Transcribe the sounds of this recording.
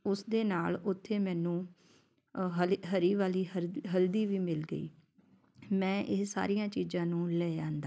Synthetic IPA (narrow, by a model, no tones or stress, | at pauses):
ʊsd̪eːnaːlʊt̪ʰːeːmɛ̃ːnũː | ɦɦəɾiːʋaːliːəɾɦəld̪iːʋiːmɪlɡəḭː | mɛ̃ːʔɪsa̰ːɾijãːt͡ʃiːzãːnũːlɛːd͡ʒãːnd̪aː